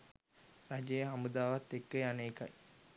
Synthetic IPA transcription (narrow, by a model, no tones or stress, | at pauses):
ɾad͡ʒejəɦamud̪aːʋat̪ːekːəjaneːka̰j